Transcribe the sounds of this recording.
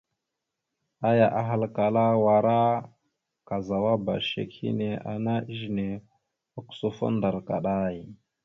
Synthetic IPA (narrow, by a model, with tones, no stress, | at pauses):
a˦ja˨ʔa˨ɦa˦lka˨la˦wa˨ɾa˦ | ka˨za˨wa˦ba̰˨ʃḛ˨khḭ˦ne˨a̰˨na˦ʒi˨ne˨ | a˨ku̥˨so˦fo̰˦nda˨ɾka˨ɗa˦i˨